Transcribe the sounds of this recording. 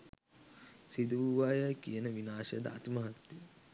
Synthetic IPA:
sid̪uuʋajəkijənəʋinaːʃəjəd̪ə̰a̰t̪məɦat̪ːi

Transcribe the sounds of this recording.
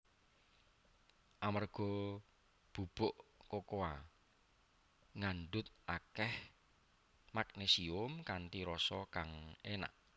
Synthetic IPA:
ʔamarɡ̥ɔ | b̥ub̥ʊʔkokoa | ŋanɖʊt̪̚akɛh | mak̚nesiʊmkant̪iɾɔsɔkaŋena̰ʔ

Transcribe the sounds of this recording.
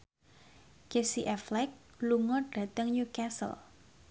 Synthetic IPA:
kesiʔɛflɛk̚luŋɔɖ̥ä̤t̪əŋɲukasə̰l

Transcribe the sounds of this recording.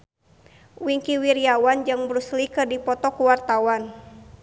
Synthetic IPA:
wiŋkiwiɾiawand͡ʒɨŋbɾuslikɨrdipɔt̪ɔkuwart̪awan

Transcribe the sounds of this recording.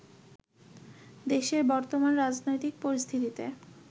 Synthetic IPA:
d̪eʃeɾbɔɾt̪omanɾad͡ʑnojt̪ik̚poɾist̪ʰit̪it̪ḛ

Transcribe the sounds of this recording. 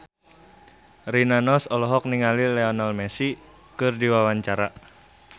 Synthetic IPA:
ɾinanɔsɔlɔɦɔk̚niŋalilɛɔnalmɛsi | kɨrdiwawaɲt͡ʃaɾa

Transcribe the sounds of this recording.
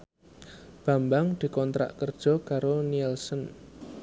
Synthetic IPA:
b̥a̤mbaŋd̪̥i̤kɔnt̪ɾa̰ʔkərd̥ʒ̥ɔ̤kaɾoniɛlsən

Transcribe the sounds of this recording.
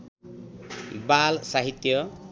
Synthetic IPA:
ḭbalsaɦit̪jʌ

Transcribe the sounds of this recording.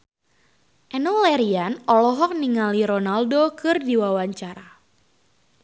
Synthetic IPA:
ʔɛnɔlɛɾianɔlɔɦɔk̚niŋaliɾɔnaldokɨrdiwawaɲt͡ʃaɾa

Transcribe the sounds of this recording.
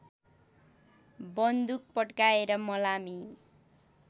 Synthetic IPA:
bʌnd̪uk̚pʌʈkaeɾʌmʌlami

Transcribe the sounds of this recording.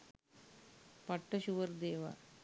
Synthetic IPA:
pɐʈːɐɕuʋɐɾd̪eːʋa̰

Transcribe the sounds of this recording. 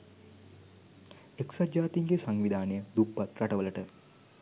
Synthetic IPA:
eksaaːt̪iŋɡesaŋʋid̪ʱaːnəjəd̪ubːat̪raʈəʋələʈə

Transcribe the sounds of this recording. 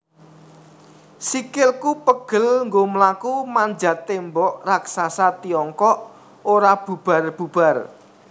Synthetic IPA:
sikɪlkupəɡ̥ə̤lŋɡoməlakumaɲd͡ʒa̤t̪embɔʔraksasat̪iɔŋkɔʔ | oɾab̥ub̥a̤rb̥ṳb̥a̤r

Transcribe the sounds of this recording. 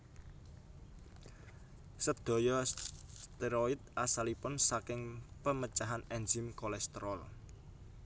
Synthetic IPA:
səd̪̥o̤jɔst̪eɾoit̪̚asalipʊnsakɪŋpəmət͡ʃaɦanɛnd͡ʒɪmkolɛst̪əɾɔl

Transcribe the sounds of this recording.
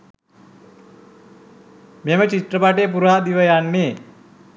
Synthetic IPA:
memət͡ʃit̪ɾəpaʈep̬uɾɦad̪iʋəjanːe

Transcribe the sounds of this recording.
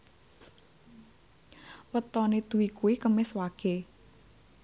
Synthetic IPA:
wət̪ɔned̪̥uwikuwikəmɪswaɡ̥e

